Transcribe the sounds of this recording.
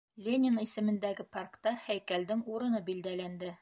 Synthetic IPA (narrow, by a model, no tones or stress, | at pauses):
lʲenʲɪnisɘ̆mɘ̆nd̪æɡɘparkt̪ɑhæjkæld̪ɘŋuɾɤ̆nɤbild̪ælænd̪ɘ